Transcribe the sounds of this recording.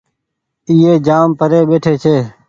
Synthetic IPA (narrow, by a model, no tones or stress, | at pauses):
ɪːeːd͡ʒaːmpəɾeːɓeːʈʰeːt͡ʃʰeː